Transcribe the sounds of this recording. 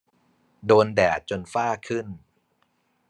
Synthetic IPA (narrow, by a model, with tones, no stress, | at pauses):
doː˧ndɛː˨˩t̪̚t͡ɕo˧nfaː˥˩kʰɯ˥˩n